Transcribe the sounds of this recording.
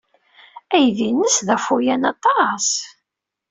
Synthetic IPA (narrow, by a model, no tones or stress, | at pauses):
æjðinəsðæfujænɑt̪ˤɑs